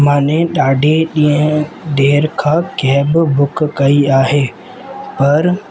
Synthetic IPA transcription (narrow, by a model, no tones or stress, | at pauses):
mãːnẽɗaːɖʱeɗĩːə̃ɖeːɾkʰãːkɛːbbʊkkɐiaːɦeː | pɐɾ